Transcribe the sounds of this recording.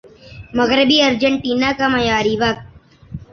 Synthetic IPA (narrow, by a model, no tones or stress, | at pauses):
mɐɣɾɪbiːɐɾd͡ʒəɳʈiːnaːkamɐjaːɾiʋɐk̚t̪